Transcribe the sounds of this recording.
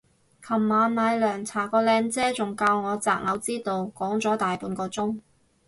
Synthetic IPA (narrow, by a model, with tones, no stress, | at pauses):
kʰɐ˨˩mːaː˨˧nmaː˨˧jlœː˨˩ŋt͡sʰaː˨˩kɔː˧lɛː˨˧ŋt͡sɛː˥t͡sʊ˨˩ŋkaː˧wŋɔː˨˧t͡sa̰ː˨k̚ŋɐ˨˧wt͡siː˥t̪o˨˧wkɔː˨˥ŋt͡sɔː˨˥t̪aː˨jpuː˨˧nkɔː˧t͡sʊ˥ŋ